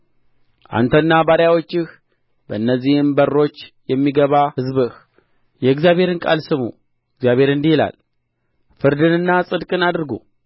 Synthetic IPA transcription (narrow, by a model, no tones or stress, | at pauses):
ʔa̰nt̪ʰənːabaɾjawo̞t͡ʃːɪx | bəɨnːəzːihɨmbərːo̞t͡ʃːjɛmːiɡəβahɨzbɨh | jɛɨɡzjaβʱhe̞ɾɨnkʼa̰lsɨmṵ | ɨɡzjaβhe̞ɾɨnd̪ihila̰l | fɨɾd̪ɨnɨnːasʼɨd̪kʼɨnad̪ɾɡṵ